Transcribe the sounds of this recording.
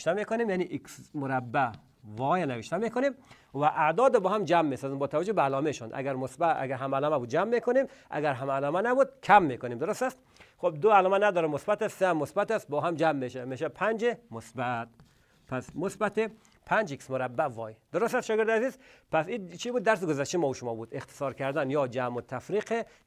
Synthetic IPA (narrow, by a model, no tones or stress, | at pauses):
ʃt̪æmekonemjaniʔiksmoɾabːæ | vɔjanaveʃt̪amekʰonem | væʔad̪ɔːd̪ɔbɔːhamd͡ʒamːesɔzimbɔːt̪ʰavad͡ʒobeːlɔmeʃɔnd̪a̰ɡæɾmosbaa̰ɡæɾɦamalɔmabud̪̚d͡ʒamːekʰonemʔa̰ɡæɾɦamːlɔːmænæbud̪̚kʰæmːekonemd̪oɾost̪æst̪ | χob̚d̪oalɔːmænæd̪ɔɾɛmːosbæt̪æst̪sehæmːosbæt̪æst̪̚bɔɦamd͡ʒæmːeʃæmeʃæpʰænd͡ʒemosbæt̪̚ | pʰæsmosbæt̪e | pʰænd͡ʒeki̥smoɾæbːævɔjd̪̥oɾost̪æst̪ʃɔɡeɾd̪æzizpʰæsit͡ʃʰibud̪ːæɾs̬ɪɡozæʃt̪imɔuʃʊmɔbud̪eqt̪ʰɪ̥sɒɾkʰæɾd̪ænjɔd͡ʒæmot̪ʰæfɾiqʰe